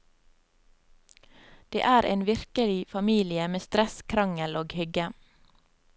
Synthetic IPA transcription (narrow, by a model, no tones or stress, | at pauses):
d̪̥ḛːʔæːɾʔḛːnʋɪɾkəlɪfɑmiːlɪəmeːst̪ɾɛskʰɾɑŋəloːɡhʏɡə